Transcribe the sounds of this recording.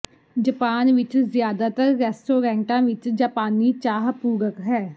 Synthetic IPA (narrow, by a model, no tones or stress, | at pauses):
d͡ʒəpaːnʋɪt͡ʃzɪjaːd̪aːt̪əɾːɛːsʈoːɾɛ̃ːɳʈãːʋɪt͡ʃd͡ʒaːpaːniːt͡ʃaːɦpuːɡəkɦɛː